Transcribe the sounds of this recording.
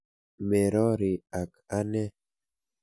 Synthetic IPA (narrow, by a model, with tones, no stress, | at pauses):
mɛ˨ɾɔ˦ɾi˨a˨ka˦nɛ˦